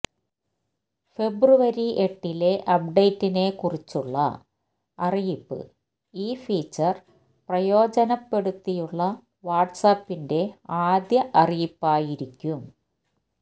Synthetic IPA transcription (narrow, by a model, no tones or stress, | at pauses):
fe̞bruʋɐɾiʔeʈːile̞ʔɐpɖejtːine̞kurit͡ɕːuɭːɐ̰ | ɐrijipːɨ̰ | iːfiːt͡ɕːɐr | prɐjo̞ːd͡ʑɐnɐpːe̞ɽut̪ːijuɭːɐ | ʋaːʈsaːpːinde̞aːd̪jɐʔɐrijipːaːjiɾikʲːum